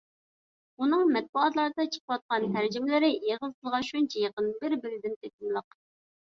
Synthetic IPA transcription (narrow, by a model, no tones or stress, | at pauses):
unɨŋmɛt̪̚buɑt̪lˠɑɾd̪ɑt͡ʃʰə̥qəwɑt̪̚qɑnt̪ʰæɾd͡ʒimɪlɪɾɪeʁəlɨt̪ɨlˠʁɑʃunt͡ʃʰɛjeqənbɪɾbɪɾɪd̪ɪnt̪ʰek̪̚ɪnlˠəq